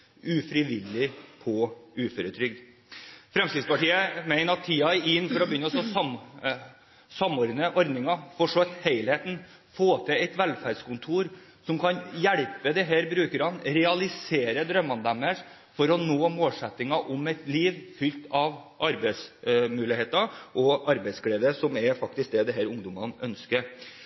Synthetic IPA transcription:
ʉfɾɪʋɪlːɪpʰɔʉːføɾət̪ʰɾʏɡd̪ | fɾɛmst̪ɪd̪spɑʈiːəmeɪnəɾɑt̪ʰːiːɑɪnːfɔɾɔbəjʏnːəɔsɔsɑm | sɑmːɔːɾd̪nəʔɔɾd̪nɪŋɑfɔʂɔʋɛt̪heɪlheːt̪n̩ | foːt̪ʰɛɛɪt̪ʋɛlfæːɾɖskʊnt̪ʰuːɾsɔmkʰɑnjæɽpəd̪ɛɦæːɾbɾʉːkəɾɑnɾɛɑlɪseːɾəd̪ɾœmːɑnd̪æmːəʂ | fɔɾɔnoːmoːlsɛt̪ːɪŋɑʔɔmɛɪt̪liːʋfʏlt̪ɑʋʔɑɾbɛɪsmʉːlɪheːt̪ɑʔɔɑɾbɛɪskɽeːd̪əsɔmɛɾfɑk̚t̪ɪsk̚d̪ɛd̪ɛɦæːɾʊŋd̪ʊmɑnœnskəɾ

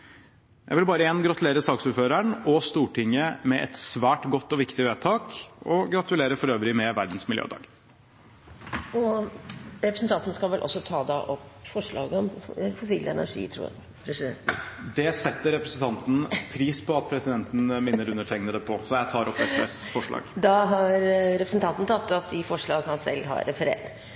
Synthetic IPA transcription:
jʔæ̰ɪʋɪlbɑːɾəeːnɡɾɑt̪ʉleːɾəsɑːksuːɾføːɾæɳɔst̪uːʈʰɪŋəmɛʔɛ̰t̪sʋæːʈɡɔt̪ːɔʋɪkt̪ɪʋeːt̪ʰɑːkɔɡɾɑt̪ʉleːɾəfɔɾøːʋɾɪmɛʋæɾd̪n̩smɪljø̰ːd̪ɑ̰ːɡ | ɔ | ɾɛpɾəsnt̪ʰɑnt̪nəskɑlʋɛlʔɔ̰sːɔt̪ʰɑːd̪ɑʔɔpfɔʂɭɑ̰ːɡəɔmfʊsiːlʔəɛ̰næ̰ʂḭːt̪ʰɾṵː | ɾ | d̪ɛsɛt̪ːəɾɛpɾə̥sən̩t̪ɑnt̪n̩pʰɾiːspʰɔɑt̪̚pʰɾɛsɪd̪ɛnt̪n̩mɪnːəɾʉnːəʈʰɛŋnəd̪ɛpʰɔsɔjæt̪ʰɑːɾɔpːɛsɛsfɔʂɭɑ̰ːɡd̪ɑɦɑɾɾɛpɾəsn̩t̪ɑnt̪nət̪ʰɑt̪ːɑt̪̚d̪ɪfɔʂɭɑːɡhɑnsɛ̰lːɦɑ̰ɾːɛfəɾḛːɾt̪

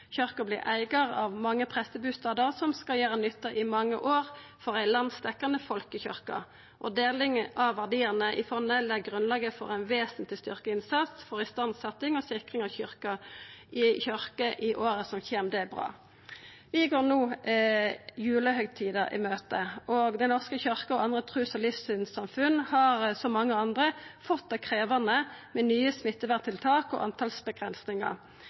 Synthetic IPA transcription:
çœʁkəblɪ̰ʁʔæɪɡəʁɑʋmɑŋːəpʰʁɛsəbʉːst̪ɑːd̪əʁsɔmskɑljæːʁənʏt̪ːəʔɪmɑŋːə̰ʔoːʁfɔʁæɪlɑnst̪ɛkːɑnəfɔlkəçœʁkə̰ | ʔɔd̪eːlɪŋʔɑʋʋæʁd̪iːəʁnəʔɪfɔʁnəlɛɡɡʁʉnlɑːɡəfɔ̰ʁæɪnʋeːsn̩t̪lɪst̪ʏʁkəɪnsɑt̪sfɔʁɪst̪ɑnd̪sɑt̪ːɪŋɔsɪkʁɪŋɑʋçʏʁkəʔɪçœʁkəʔɪʔoːʁəsɔmçeːmd̪ɛbʁɑ̰ː | ʋɪɡoːʁnuː | jʉːləhœʏt̪ʰiːd̪əʔɪ̰møːt̪əʔɔɡd̪ɛnɔʁskəçœʁkəɔʔɑnd̪ʁət̪ʰʁʉːsɔlɪfsʏnsɑmfʉnːhɑʁsɔmɑŋːəɑnd̪ʁəfɔt̪̚d̪ɛkʰʁeːʋɑnəmɛnyːəsmɪt̪ːəʋæʁt̪ʰɪlt̪ʰɑːkɔ̰ʔɑ̰nt̪ʰɑlsbəɡʁɛnsnɪŋɑ̰

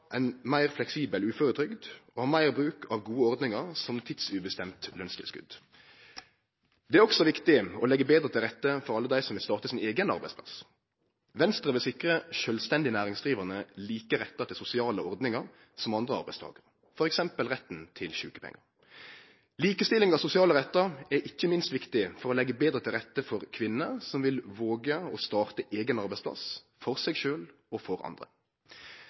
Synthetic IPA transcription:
ʔæɪnmæɪʁflɛksiːbəlʉːføɾət̪ʰɾʏɡd̪ɔhɑːmæɪʁbʁʉːkʰɑʋɡuːəɔʁd̪nɪŋəɾsɔmt̪ʰɪd̪sʉbəst̪ɛmt̪lœnst̪ʰɪ̰lskʉ̰d̪ | d̪ɛæɾɔksɔʋɪkt̪ɪɔlɛɡːəbeːd̪ɾət̪ʰɪlʁɛt̪ːəfɔɾɑlːəd̪æɪsɔmʋɪlst̪ɑːʁt̪əsɪneːɡənɑ̰ʁbæɪspʰlɑ̰s | ʋɛnst̪ʁəʋɪlsɪkʁəʃøːlst̪ɛnd̪ɪənæːʁɪŋsʁiːʋəʁnəliːkəɾɛt̪ːɑt̪ʰɪlsʊsɪɑːləɔɾd̪nɪŋɑɾ | sɔmɑnd̪ʁəɑɾbæɪst̪ʰɑ̰ːɡəʁə | fɔɾɛksɛmpəlʁɛt̪ːn̩t̪ʰɪlçʉːkə̥pʰɛ̰ŋːɑɾ | liːkəst̪ɪlɪŋɑsʊsɪɑːləʁɛt̪ːɑɾɛɾʔɪçːəmɪnst̪ʋɪkt̪ɪfɔɾɔlɛɡːəbeːd̪ɾət̪ʰɪlʁɛt̪ːəfɔɾkʰʋɪnːəsɔmʋɪlʋoːɡəɔst̪ɑːʁt̪əʔeːɡənɑɾbæɪspʰlɑ̰s | fɔʁsɛɡʃøːlɔfɔɾɑ̰nd̪ʁə̰

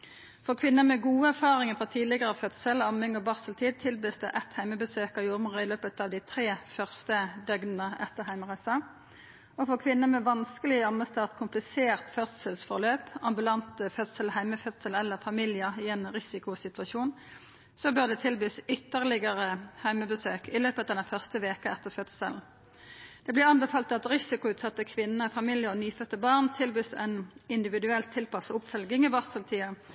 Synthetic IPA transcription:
fɔʁkʰʋɪnːəmɛɡuːəæʁfɑːʁɪŋəfʁɔt̪ʰiːd̪lɪɡəʁəɑʋfœt̪səlɑmɪŋɔbɑʁsəlt̪ʰiːd̪̚t̪ʰɪlbyːsd̪ɛʔɛt̪hæɪməbəsøːkəʁjuːʁməʁəɪløːpət̪ɑʋd̪ɪt̪ʰʁeːfœʁst̪əd̪œɡnənəʔɛ̰t̪ːəʁɦæɪmʁæsɑ | ɔfɔkʰʋɪnːəmɛʋɑnskəlɪɑməst̪ʰɑːʁt̪kʰʊmplɪseːʁt̪fœt̪səlsfɔʁløːpɑmbʉlɑnt̪fœt̪səlhæɪməfœt̪səlɛlːəʁfɑmiljəɪɛeːnɾɪsɪkʊsɪt̪ʉɑʃuːn | sɔbœʁd̪ɛt̪ʰɪlbyːsʏt̪ːəʁlɪɡəʁəhæɪməbəsøːkɪløːpət̪ɑːd̪ɛnfœʁst̪əʋeːkəɛt̪ːəʁfœt̪sə̰ln̩ | d̪̥ɛblɪʁɑnbɛfɑːlt̪ɑt̪ʁɪsɪkʊʉːt̪sɑt̪ːəkʰʋɪnnəfɑmiljəɔnyːfœt̪ːəbɑːʁnt̪ʰɪlbyːsɛ̰nɪnd̪ɪʋɪd̪ʉɛlt̪ʰːɪlpɑsʊpfœlɡɪŋɪʋɑʁsəlt̪ʰiːɑ

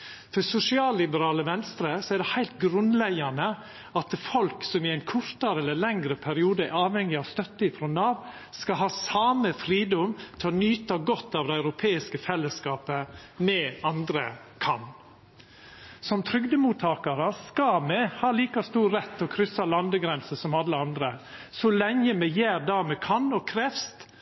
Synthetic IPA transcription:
fɔsʊsɪɑːlːɪbəɾɑːləʋɛnst̪ɾəsɔæɖ̪ɛhæɪlt̪ɡɾʉnlɛɡɑnə | ɑt̪fɔlksɔmɪæɪnkʰʊɾt̪ɑɾəɛlːəlɛŋɾəpʰæɾɪuːd̪əʔɑːʋhɛŋːɪɑʋst̪œt̪ːəɪfɾɔnɑːʋ | skɑɦɑːsɑːməfɾiːd̪ɔmt̪ʰɪɔnyːt̪ɑɡɔt̪ːɑːʋd̪ɛæʉɾʊpʰeːɪskəfɛlːəskɑːpə | mɛɑnd̪ɾə | kʰɑn | sɔmt̪ʰɾʏɡd̪əmuːt̪ʰɑːkɑɾəskɑmɛhɑːliːkɑst̪uːɾːɛt̪ʰːɔkʰɾʏsɑlɑnd̪əɡɾɛnsəsɔmɑlːəɑnd̪ɾə | sɔlɛŋəmɛjæːɾd̪ɑmɛkʰɑnɔkʰɾɛfst̪

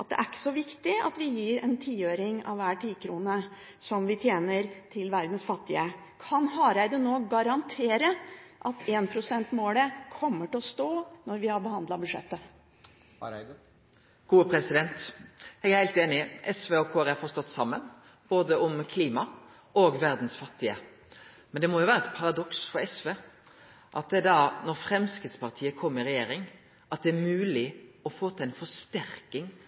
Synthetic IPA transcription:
ʔɑt̪̚d̪ɛ̰ʔækːə̥sɔʋɪkt̪ɪɑ̰t̪ʋɪjiːɾɛnt̪ʰiːøːɾɪŋɑ̰ʋʋæːʈiːkʰɾuːnə | sɔmʋɪt̪ʰjeːnəɾt̪ʰɪlʋæɾd̪n̩sfɑt̪ːɪə | kʰɑnɦɑɾæɪd̪ənoːɡɑɾɑnt̪ʰeːɾəʔɑt̪eːnpʰɾʊsɛnt̪moːləkʰɔmːəʈɪlɔst̪oːnɔɾʋɪhɑɾbəhɑnd̪lɑbʉd̪ʂɛ̰t̪ːə | ɡ̥uːpʰɾɛsɪd̪ɛnt̪ɛɡæɾhæɪlt̪eːnɪʔɛsʋeːɔkʰoːɛɾɛfɔɾst̪ɔt̪ːsɑmːən | b̥oːd̪əɔmkʰliːmɑ | ɔːɡʋæɾd̪n̩sfɑt̪ːɪə | mɛnd̪ɛmɔjʊʋæːɾɛt̪pʰɑɾɑd̪ɔksfɔɾɛsʋeː | ʔɑ̰t̪̚d̪ɛæd̪ɑnɔɾfɾɛmskɪːd̪spɑʁt̪ʰiːəkʰɔmːəɪɾɛjeːɾɪŋ | ʔɑt̪̚d̪ɛæɾmʉːlɪɔfoːt̪ʰɪlæɪnfɔst̪æɾkɪŋ

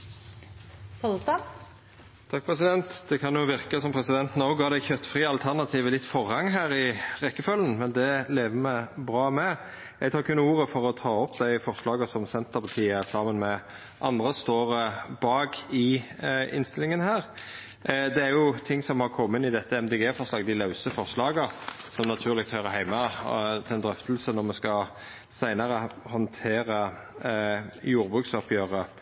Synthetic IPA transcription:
kʰost̪ɑ | t̪ʰɑk̚pʰʁɛs̬ɪd̪ɛnt̪d̪̥ɛkʰɑnjʊʋɪɾkəsɔmpʰɾɛsɪd̪ɛnt̪noʊɡɑːd̪ɛɪçœt̪ːfʁiːɑlt̪ʰæʁnɑt̪ʰiːʋəlɪt̪ːfɔʁhɑŋɦæːɾɪʁɛkːəfœlən̩mɛnd̪ɛleːʋəmɛbɾɑːmɛ | ɛɡt̪ʰɑːkʰʉnːəuːɾəfɔɾɔt̪ʰɑːɔpd̪æɪfɔɾʂlɑːɡəsɔmsɛnt̪əɾpʰɑt̪ʰiːəsɑːmənmɛ | ʔɑnd̪ʁəst̪oːɾəbɑːɡɪɪ̰nst̪ɪlɪŋənhæːʁ | d̪ɛæɾjʊt̪ʰɪŋːsɔmhɑɾkʰɔmːɪnɪd̪ɛt̪ːəɛmd̪eːɡeːfɔʁʂlɑːɡd̪ɪlɑʉsəfɔʁʂlɑːɡəsɔmnɑt̪ʰʉːʁlɪk̚t̪hœʏʁəɦæɪmɑd̪ʰɪɛnd̪ɾœft̪əlsənɔɾmɛskɑ | sæɪnɑʁəhɔnt̪ʰeːɾə | juːɾbʁʉk̪sɔpjœʁə

